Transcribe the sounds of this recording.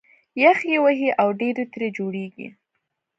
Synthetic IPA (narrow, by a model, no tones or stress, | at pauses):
jaxjewəɦiʔawɖeɾet̪ɾed͡ʒoɽeɡḭ